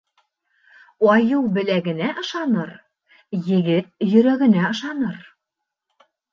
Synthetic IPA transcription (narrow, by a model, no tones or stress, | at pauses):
ɑjɤlˠbɘ̆læɡɘ̆næʔɤ̆ʃɑnɤɾ | jɘ̆ɡɘt̪̚jɵ̆ɾæɡɘ̆næɤ̆ʃɑnɤɾ